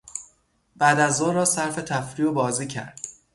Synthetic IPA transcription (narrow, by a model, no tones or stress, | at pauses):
b̥æd̪æzoːɾɒːsæɾfe̞t̪ʰæfɾiːobɒːziːcʰæ̰ɾd̪̥̚